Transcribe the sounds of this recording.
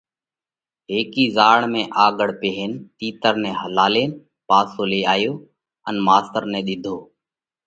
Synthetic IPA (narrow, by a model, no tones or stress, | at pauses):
ɦeːkiːzaːɳmẽːʔaːɡəɽpeːɦent̪iːt̪əɾnẽːɦəlaːleːn | paːsoːleːaːjoː | ənmaːst̪əɾnẽːɗ̪ɪd̪ʱoː